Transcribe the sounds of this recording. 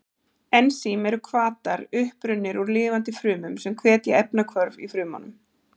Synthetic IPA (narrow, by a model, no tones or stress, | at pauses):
ɛnsimɛɾʏkʰvaːt̪aɾʏhpɾʏnːɪɾuɾlɪːvant̪ɪfɾʏːmʏmsɛmkʰvɛːt̪jaʔɛpnakʰvœɾvḭfɾʏːma̰nʏ̰m